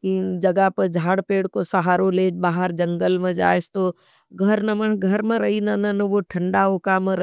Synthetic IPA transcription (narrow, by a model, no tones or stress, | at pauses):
kid͡ʒɐɡapɐd͡ʒʱaːɽpeːɽkosɐɦaːɾoleːd͡ʒbaːɦəɾd͡ʒɐ̃ŋɡəlmẽd͡ʒa̰ːest̪oː | ɡʱɐɾnɐməɳɡʱɐɾmẽɾɐɦinɐnɐnʋoʈʰɐ̃ɳɖaoːkamẽɾɐ